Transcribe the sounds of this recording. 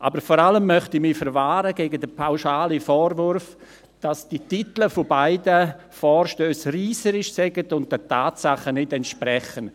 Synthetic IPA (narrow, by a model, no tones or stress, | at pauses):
ʔa̰bəɾfɔɾaləmːœχtimiːfəɾvaːɾəɡɛːɡədəpʰaʊʃaːlifɔːɾvʊɾf | d̥asd̥ititləfobaɪdə | fɔːɾʃtøːsriːsəɾɪʃsɛɡətʊnt̚dətʰaːtsaχənɪtɛntʃprɛχən